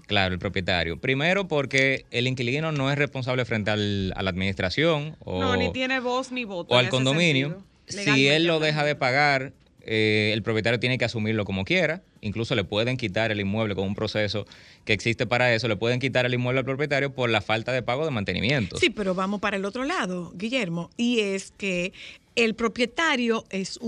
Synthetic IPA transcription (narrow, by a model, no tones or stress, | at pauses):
klaɾoelpɾopjet̪a̰ɾjo̞pɾime̞ɾo̞po̞ɾke̞eliŋkiliɣino̞no̞e̞sre̞spo̞ns̬aβlefɾe̞nt̪e̞ala̰laːðmĩnist̪ɾasjo̞ŋo̰nonit̪jeneβosniβot̪oalko̞nd̪o̞mĩnjo | sie̞lːo̞ðe̞ɦaðe̞paɣaɾ | eːlpɾopjet̪aɾjot̪jenekeasumiɾlo̞ko̞mo̞kje̞ɾa | ḭŋkluso̞le̞pwe̞ðe̞ŋkit̪aɾelimwe̞β̞le̞ko̞ŋumpɾo̞se̞s̬o̞keːksist̪e̞paɾae̞so̞le̞pwe̞ðe̞ŋkit̪aɾalimweβealpɾopje̞t̪aɾjo̞po̞ɾlafalt̪aðe̞paɣo̞ðemãnt̪e̞nḭmjẽ̞nt̪osipe̞ɾo̞βamospaɾaelo̞t̪ɾo̞laðoɡiʝe̞ɾmo̞ieskeː | lpɾo̞pje̞t̪aɾjo̞e̞s